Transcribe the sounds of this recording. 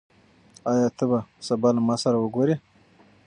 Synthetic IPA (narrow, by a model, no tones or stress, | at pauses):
ɑjɑt̪əbasabɑlamɑsaɾawəɡoɾe